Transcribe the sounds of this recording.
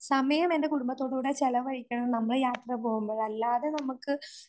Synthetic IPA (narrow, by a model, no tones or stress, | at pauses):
sɐmɐjɐme̞nde̞kuɽumbɐt̪ːo̞ːɽuːɽet͡ɕelɐʋɐɻikʲːɐɳɐmnɐmːɐɭjaːt̪rɐpoːɣumboːɭɐlːaːðenɐmukːɨ